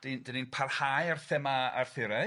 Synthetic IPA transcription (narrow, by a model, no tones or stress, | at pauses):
d̥indəninpʰarhaːjarθɛmaa̰rθɪɾɛ